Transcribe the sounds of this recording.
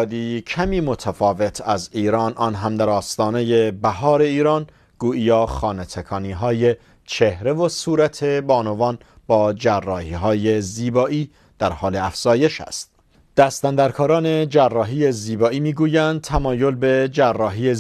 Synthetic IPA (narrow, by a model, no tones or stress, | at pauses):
d̪iːcʰæmiːmo̞t̪ʰæfɒːve̞t̪ʰæziːɾɒːnʔɒːnɦæmd̪æɾɒːst̪ɒːne̞je̞bæɦɒːɾe̞iːɾɒːn | ɡ̥uːʔijɒːχɒːnet̪ʰekʰɒːniːɦɒːje̞ | t͡ʃʰe̞hɾe̞vosuːɾæt̪ʰe̞bɒːnovɒːn | b̥ɒːd͡ʒærːɒːhiːɦɒːje̞ziːbɒːiː | d̪̥æɾhɒːleæfz̥ɒːje̞ʃæ̰st̪̚ | d̪̥æst̪ænd̪æɾkʰɒːɾɒːne̞d͡ʒærːɒːɦiːeziːbɒːiːmiːɡuːjænd̪̚t̪ʰæmɒːjo̞lbe̞d͡ʒærːɒːɦiːe